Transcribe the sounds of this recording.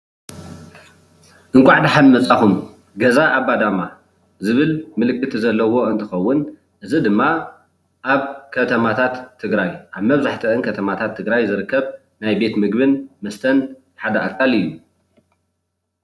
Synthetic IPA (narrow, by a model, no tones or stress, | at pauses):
ʔɨŋkʷʼaʕd̪iħanmɐt͡sʼaxum | ɡɐzaʔaβbad̪ama | zɨβɨlmɨlɨkʼːɨt̪ʰizɐlːɐwo̞ɨnt̪ʰɨxɐwːʊn | ʔɨzid̪ɨmːa | ʔaβkʰɐt̪ʰɐmat̪ʰat̪ʰːɨɡɾajʔaβmɐβzaħt̪ʰɨʔɨnkʰɐt̪ʰɐmat̪ʰat̪ʰːɨɡɾajzɨɾɨkːɐβ | najbe̞t̪mɨɡbɨnmɐst̪ʰɐn | ħad̪ɐʔakʼːalɨjːu